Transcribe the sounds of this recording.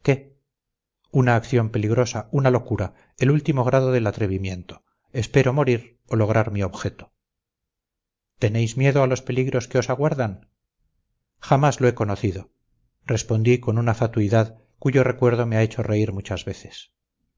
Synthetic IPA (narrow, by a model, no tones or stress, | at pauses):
ke̞ | unaːkθjo̞mpe̞liɣɾo̞saunalo̞kuɾa | elult̪imo̞ɣ̞ɾaðo̞ðe̞lat̪ɾe̞βimje̞nt̪o̞̥ | espe̞ɾo̞mo̞ɾiɾ | olo̞ɣɾaɾmio̞βxe̞t̪o̞̥ | t̪e̞ne̞jzmje̞ðoalo̞spe̞liɣɾo̞skeo̞saɣwaɾðan | xamazlo̞e̞ko̞noθiðo̞ | re̞spo̞nd̪iko̞nunafat̪uiðað | kuʝo̞re̞kwe̞ɾðo̞meae̞t͡ʃo̞re̞iɾmut͡ʃazβe̞θe̞̥s